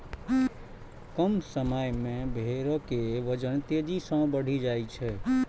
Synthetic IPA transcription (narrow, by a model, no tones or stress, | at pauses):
kəmsəməjmẽbʱeɾkeʋəd͡ʒənt̪ed͡ʒisə̃bəɽ̤id͡ʒajt͡ʃʰɛ